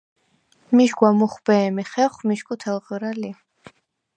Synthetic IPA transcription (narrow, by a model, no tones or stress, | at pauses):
miʃɡwamuχbɛːmiχɛχmiʃkʼut̪ʰɛlˠʁɾali